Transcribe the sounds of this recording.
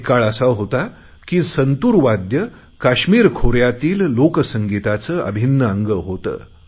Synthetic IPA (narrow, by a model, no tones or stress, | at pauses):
kaɭəsaɦot̪a | kiːsənt̪uːɾʋad̪jə | kaɕmiːɾkʰoɾjat̪iːlːoksəŋɡit̪at͡səːʔə̰bʱinːəəŋɡəɦot̪ə̰ː